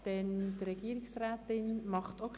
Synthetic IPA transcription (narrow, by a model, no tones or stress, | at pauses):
d̥ɛntrɛɡ̥iəɾɪksrɛːt̪ɪnmɑχtok